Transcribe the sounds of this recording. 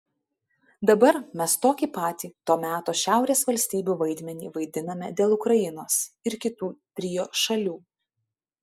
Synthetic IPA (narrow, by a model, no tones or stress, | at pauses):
d̪ɐbɐɾmʲɛst̪oːkʲiːpɑːt̪ʲiːt̪oːmʲæːt̪oːʃʲæˑʊɾʲeːsʋɐlʲsʲt̪ʲiːbʲuːʋɐɪd̪ʲmʲɛnʲiːʋɐɪd̪ʲɪnɐmʲɛ̰d̪ʲeːlˠʊkɾɐjɪnoːsɪɾkʲɪt̪uːt̪ʲɾʲiːjoːʃɐlʲuː